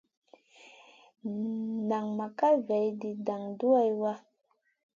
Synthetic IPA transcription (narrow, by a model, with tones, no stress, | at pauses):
na˨ŋma˨ka˦vɛ˨jdi˨da˨ŋdu˦a˦jwa˦